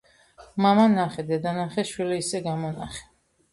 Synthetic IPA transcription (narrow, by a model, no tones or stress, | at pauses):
mamanaχɛd̪ɛd̪anaχɛʃwilɛisɛɡamɔnaχɛ̥